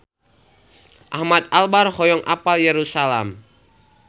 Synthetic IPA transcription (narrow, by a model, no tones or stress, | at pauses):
ʔahmat̪̚albarhɔjɔŋʔapaljɛɾusalam